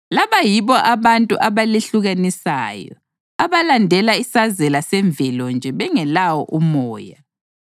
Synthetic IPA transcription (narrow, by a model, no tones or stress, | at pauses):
laβajiβɔʔaβantʼuʔaβaleɬuɣanisaːjɔ̰ | aβalandʱɛlaisazɛlasɛɱb̪vʱɛlɔnd͡ʒʱɛβɛŋɛlawɔʔumɔːja